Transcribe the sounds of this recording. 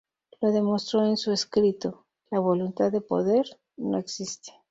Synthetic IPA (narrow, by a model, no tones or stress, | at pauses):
lo̞ðe̞mo̞st̪ɾo̞ensueskɾit̪o | laβ̞o̞lunt̪aðe̞po̞̰ðe̞ɾ | no̞̰eksist̪e̥